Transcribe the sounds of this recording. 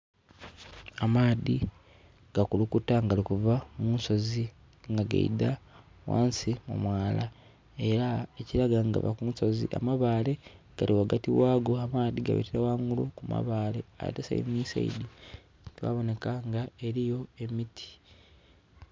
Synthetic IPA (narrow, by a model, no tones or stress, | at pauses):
amaːði | ɡ̥akulukutaŋɡalikuvamunso̞zi | ŋɡaɡa̰ḭda | wa̰ːnsimṵmwaːla | e̞ɾaeciɾaɡaŋɡa̰βa̰kunsozḭʔa̰maβaːle̞ɡ̥alʔiwaɡatiwaːɡo̞amaːðiɡa̰βḛteɾawaŋɡulukuma̰βaːlea̰tesa̰jḭmiːsa̰ḭdi | twa̰ːβo̞ne̞kaŋɡaeɾijo̞e̞mitʰi̥